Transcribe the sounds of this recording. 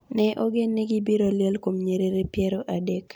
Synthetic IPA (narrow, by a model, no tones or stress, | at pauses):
nɛʔoɡenːɪɡɪbiɾoljɛlkomɲeɾeɾepjɛɾoʔadɛk